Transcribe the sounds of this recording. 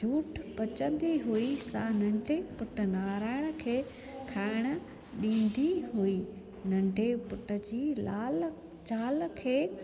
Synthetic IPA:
d͡ʑʱuːʈpɐt͡ɕə̃nd̪iɦuisãnɐ̃ɳɖepʊʈənaːɾaːɪɽ̃̆kʰeː | kʰaːɪɽ̃ə̆ | ɗĩːn̆d̪iɦui | nɐ̃ɳɖepʊʈə̆d͡ʑiːlaːl | t͡ɕaːlkʰeː

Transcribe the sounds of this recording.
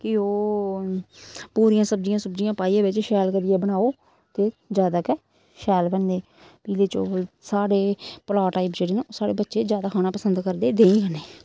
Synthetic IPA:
kɪoː | puːɾijãːsəb̚d͡ʒɪjãːsəbd͡ʒijãːpaːijãːbɪt͡ʃʃɛːlkəɾiɛːbənaːoː | t̪eːd͡ʒjaːd̪aːkɛ | ʃɛːlbəneː | piːleːt͡ʃo̰ːlsaːɽeːpəlaːʈaːiːpd͡ʒeːɽeːneːoːsaːɽeːbətːʃeːd͡ʒjaːd̪aːkʰaːñaːpəsənd̪kəɾd̪eːd̪eːĩːɦəneː

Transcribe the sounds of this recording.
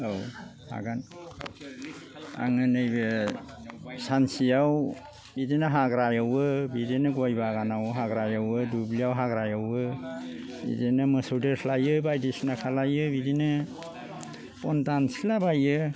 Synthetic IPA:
aw | ha̰ɡan | a̰ŋɯnɯjbɯ | sansijaw | bidinaɦaɡɾajawɯbidinɯɡɔjbaɡanawɦaɡɾajawɯdubliawɦaɡɾajawɯ | bḭdinɯməsɯwdeɾsʰlajɯbajdisnakʰalajɯbidinɯ | pɔntansilabajɯ

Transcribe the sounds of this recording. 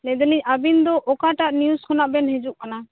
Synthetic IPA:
lɛd̪ɔniɲabind̪ɔʔɔkaʈaʔnijuskʰɔnaʔbɛnɦɛd͡ʒuʔkana

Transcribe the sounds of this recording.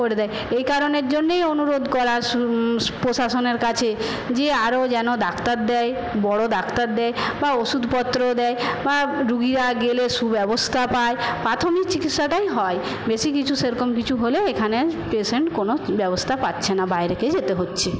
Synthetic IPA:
koɽed̪ɛe | ejkaɾoneɾd͡ʑonːejonuɾod̪kɔɾasupɾoʃaʃoneɾkat͡ɕʰe | d͡ʑeaɾod͡ʑɛnod̪akt̪aɾd̪ɛe | bɔɽod̪akt̪aɾd̪ɛebaoʃud̪ʱpɔt̪ːɾod̪ɛebaɾuɡiɾaɡeleʃubɛbost̪ʰapaepɾat̪ʰomik̚t͡ɕikit̪ʃaʈajɦɔe | beʃikit͡ɕʰuseɾkomkit͡ɕʰuɦoleekʰanepeʃeɳʈkonobɛbost̪ʰapatːɕʰenabaeɾeked͡ʑet̪eɦotːɕʰe

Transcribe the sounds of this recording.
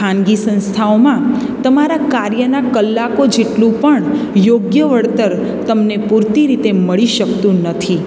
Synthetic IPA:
anɡisə̃nst̪ʰaomã | t̪əmaɾakaɾjənakəlːakod͡ʒeʈlũpəɳ | joɡjəʋəɭt̪əɾ | t̪əmnepuɾt̪iɾit̪eməɭiʃəkt̪ũnət̪ʰi

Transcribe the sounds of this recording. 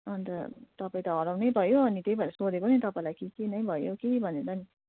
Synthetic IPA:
ʌnt̪ʌt̪ʌpaĩt̪ʌɦʌɾaw̃nʌjbʱʌjoʌnit̪ejbʱʌnasod̪ekonit̪ʌpaĩlajkikinʌjbʱʌjokeibʱʌnedʌni

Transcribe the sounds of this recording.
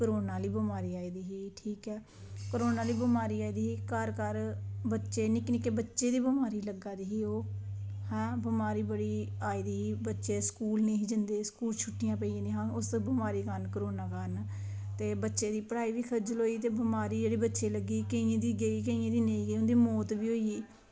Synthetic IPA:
kəɾoːnaːliːbəmaːɾiːaːiːd̪iːɦiːʈʰiːkɛː | kəɾoːnaːliːbəmaːɾiːaːiːd̪iːɦiːkəɾkəɾbətːʃeːnɪknɪkːeːbətːʃeːd̪iːbəmaːɾiːləɡaːd̪iːɦiːoː | hɛ̃ːbəmaːɾiːbəɽiːaːiːd̪iːɦiːbətːʃeːskuːlnẽːɦiːd͡ʒɪnd̪eːskuːlt͡ʃʰʊʈːijãːpəiːãːd̪iːɦãʊsbəmaːɾiːkənkəɾoːnaːkən | t̪eːbətːʃeːd̪iːpəɽaːiːʋiːkʰəd͡ʒloːiːt̪eːbəmaːɾiːd͡ʒeːɽiːbətːʃeːləɡːiːkəĩẽːd̪iːɡəiːkəĩẽːd̪iːnẽiːɡəiʊ̃nd̪iːmɔːt̪ʋiːɦoːiiː

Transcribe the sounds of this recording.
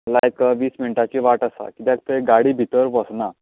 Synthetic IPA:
lajkəʋiːsmiɳʈat͡ɕiʋaʈəsa̰kit̪jãkt̪eɡaɽiːbʱit̪əɾʋəsna

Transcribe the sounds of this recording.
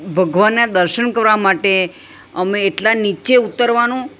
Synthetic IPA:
bʱəɡʋanːad̪əɾʃənkəɾʋamaʈe | əmeːʈlanit͡ʃeut̪əɾʋanũ

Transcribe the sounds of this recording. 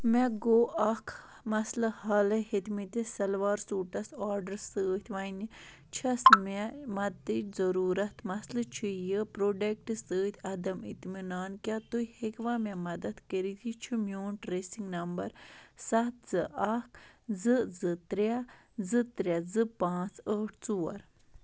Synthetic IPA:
meɡoːʔɐkʰ | mɐslɨhɐːlɐhet̪mit̪ʲisɐlʋaːɾsuːʈɐsaːɾɖɐɾsəːt̪ʰʲʋɐni | t͡ʃʰɐsmemɐd̪ɨzɐɾuːɾɐt̪ʰmɐslɨt͡ʃʰijəpɾoːɖek̚ʈɨsɨːt̪ʰʲɐd̪ɐmḭt̪minaːnkʲjaːt̪uhekʋaːmemɐd̪ɐd̪kəɾit̪ʰit͡ʃʰimʲjuːnʈɾeːsiŋɡnɐmbɐɾsɐt̪̚ʰzɨʔaːkʰzɨzɨt̪ɾa | zɨt̪ɾʲazɨpãːt͡səːʈʰt͡suːɐ̰ɾ

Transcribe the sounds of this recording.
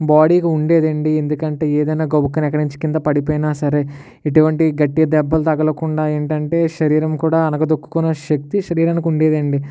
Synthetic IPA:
baːɽiːkiuɳɖeːd̪ɐɳɖiend̪ukɐɳʈe̞ːeːd̪ɐjnaːɡobukːɐnɛkːɐɽɐnuɲt͡ʃi̥kind̪ɐpɐɽipoːjinaːsɐɾe̞ː | iʈuʋɐɳʈiɡɐʈːijɐd̪ɛbːɐlɐt̪ɐɡɐlɐkuɳɖaːeːɳʈɐɳʈe̞ːʃɐɾiːɾɐmkuːɽaːɐnɐkɐd̪okːu̥kunːɐʃɐk̚t̪iʃɐɾiːɾaːnikuɳɖeːd̪ɐɳɖi

